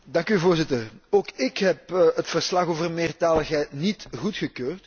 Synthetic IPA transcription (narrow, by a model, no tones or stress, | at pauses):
dɑŋkyvoːrzɪtəroːkɪkɦɛpətfərslɑxoːvərmeːrtaːləxɦɛjtnitɣutxəkøːrt